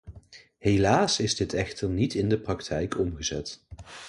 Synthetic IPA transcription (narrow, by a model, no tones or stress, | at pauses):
ɦelaːsɪzdɪtɛχtəɹnitɪndəprɑktʰɛjkɔmχəzɛ̰t